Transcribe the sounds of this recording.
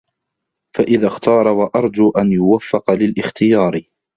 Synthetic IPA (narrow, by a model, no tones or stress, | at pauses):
faʔɪðaxt̪ʰɑːɾˤɑwaʔɑɾˤd͡ʒuːʔanjʊwafːɑqɑlɪlʔɪxt̪ɪjɑːɾ